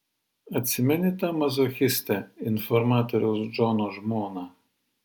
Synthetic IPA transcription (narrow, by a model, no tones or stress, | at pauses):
ɐt̪ʲsʲɪmʲɛnʲɪt̪ɑːmɐzoxʲɪsʲt̪ʲɛɪnfɔɾmɑːt̪ɔɾʲɛʊsd͡ʒɔːnoːʒmoːnɑː